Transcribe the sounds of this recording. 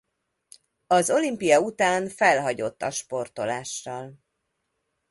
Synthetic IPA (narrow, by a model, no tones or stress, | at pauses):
ɒzo̞limpijɒut̪aːnfɛlɦɒɟo̞t̪ːɒʃpo̞rt̪o̞laːʃːɒl